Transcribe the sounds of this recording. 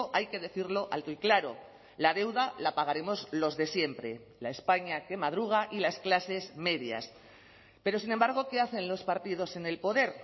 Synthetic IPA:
ʔajke̞ðe̞θiɾlo̞ʔa̰lt̪oiklaɾo̞ | lað̞e̞wðalapaɣ̞aɾe̞mo̞zlo̞zðe̞sje̞mpɾe̞ | laespaɲake̞mað̞ɾuɣ̞aʔilasklase̞zme̞ðja̰s | pe̞ɾo̞sinembaɾɣ̞o̞ke̞aθe̞nlo̞spaɾt̪ið̞o̞se̞ne̞lpo̞ðe̞ɾ

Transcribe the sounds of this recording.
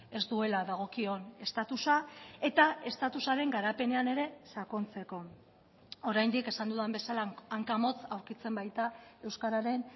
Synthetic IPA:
e̞zd̪ue̞laðaɣ̞o̞kio̞ne̞st̪at̪usae̞t̪ae̞st̪at̪usaɾe̞ŋɡaɾape̞ne̞ane̞ɾe̞sako̞nt͡se̞ko̞ | o̞ɾajnd̪ike̞sand̪uðembe̞salaːŋkamo̞t͡sawɾkit͡se̞mbajt̪ae̞wskaɾaɾe̞n

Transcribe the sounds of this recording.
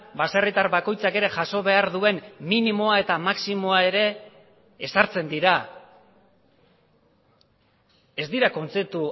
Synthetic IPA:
baserit̪aɾβako̞jt͡sake̞ɾe̞ʝaso̞βe̞aɾðue̞nminimo̞ae̞t̪amaksimo̞ae̞ɾe̞ː | saɾt͡se̞nd̪iɾa | e̞zd̪iɾako̞nt͡se̞p̚t̪u

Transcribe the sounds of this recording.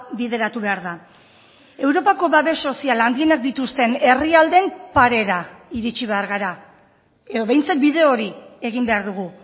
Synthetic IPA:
biðe̞ɾat̪uβe̞aɾða | e̞wɾo̞pako̞βaβe̞so̞sialand̪inak̚d̪it̪ust̪e̞ne̞riald̪e̞mpaɾe̞ɾaiɾit͡ʃiβe̞aɾɣaɾa | e̞ðo̞βe̞jnt͡sak̪̚biðe̞oɾie̞ɣ̞imbe̞aɾðuɣ̞u

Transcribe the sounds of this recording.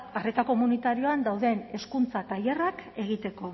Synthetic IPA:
aret̪ako̞munit̪aɾio̞and̪awðe̞ne̞skunt͡sat̪aje̞rake̞ɣ̞it̪e̞ko̞

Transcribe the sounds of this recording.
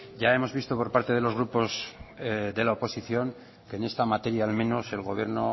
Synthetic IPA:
ɟ͡ʝae̞mo̞zβist̪o̞po̞ɾpaɾt̪e̞ð̞e̞lo̞zɣ̞ɾupo̞z | d̪e̞laopo̞siθjo̞ŋ | ke̞ːne̞st̪amat̪e̞ɾjaːlmẽ̞no̞se̞lɣo̞β̞je̞ɾno̞

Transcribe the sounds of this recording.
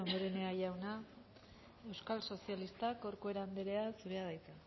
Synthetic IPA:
ond̪o̞ɾe̞ne̞aʝawna | e̞wskalso̞sialist̪akoɾkue̞ɾand̪eɾe̞asuɾe̞aðajt̪a

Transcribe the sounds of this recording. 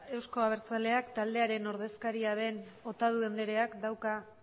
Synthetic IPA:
e̞wsko̞aβ̞e̞ɾt͡sale̞akt̪ald̪e̞aɾe̞no̞ɾð̞e̞skaɾiaðe̞not̪að̞ue̞nd̪e̞ɾe̞akd̪awka

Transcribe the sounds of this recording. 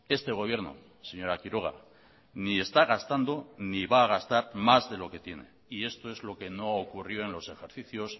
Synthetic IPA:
e̞st̪e̞ɣ̞o̞β̞je̞ɾno̞̰ | se̞ɲo̞ɾakiɾo̞ɣ̞a̰ | nie̞st̪aɣ̞ast̪and̪o̞niβaːɣ̞ast̪aɾmazðe̞lo̞ke̞t̪je̞ne̞̰ | ie̞st̪o̞e̞zlo̞ke̞no̞aokurjoe̞nlo̞se̞xe̞ɾθiθjo̞s

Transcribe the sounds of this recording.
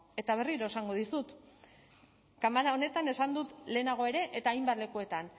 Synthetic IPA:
e̞t̪aβ̞e̞riɾo̞esaŋɡo̞ðisut̪ | kamaɾao̞ne̞t̪ane̞sand̪ut̪le̞ːnaɣ̞o̞e̞ɾe̞ʔet̪aːjmbat̪le̞kue̞t̪an

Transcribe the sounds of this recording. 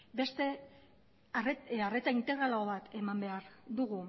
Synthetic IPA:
be̞st̪e̞ | rare̞t͡saint̪e̞ɣɾalaoβat̪ʰe̞mambe̞aɾd̪uɣ̞u

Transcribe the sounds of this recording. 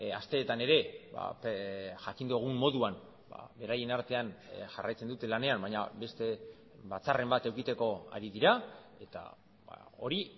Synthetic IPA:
ast̪e̞ːt̪ane̞ɾe̞ba̰pxakind̪oɣ̞umːo̞ðuan | ba̰βe̞ɾaje̞naɾt̪e̞anʝarajt͡sed̪ut̪e̞lane̞ambajɲabe̞st̪e̞ | βat͡sare̞mbat̪e̞wkit̪e̞ko̞a̰ɾiðiɾae̞t̪a̰ | a̰o̞ɾi

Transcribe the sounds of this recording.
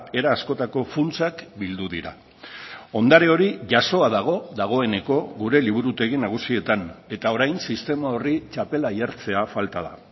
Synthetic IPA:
e̞ɾaːsko̞t̪ako̞funt͡sakbild̪uðiɾa̰ | o̞nd̪aɾe̞o̞ɾiʝaso̞aðaɣ̞o̞ðaɣ̞o̞e̞ne̞ko̞ɣuɾe̞liβuɾut̪e̞ɣinaɣ̞usie̞t̪ane̞t̪ao̞ɾajnsist̪e̞mao̞rit͡ʃape̞laiaɾt͡se̞afalt̪að̞a̰

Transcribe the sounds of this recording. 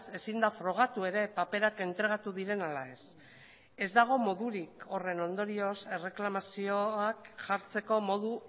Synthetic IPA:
se̞sind̪afɾo̞ɣ̞at̪ue̞ɾe̞pape̞ɾake̞nt̪ɾe̞ɣ̞at̪uðiɾe̞nalae̞s | e̞zd̪aɣ̞o̞mo̞ðuɾiko̞re̞no̞nd̪o̞ɾio̞se̞re̞klamasio̞akʝaɾt͡se̞ko̞mo̞ðu

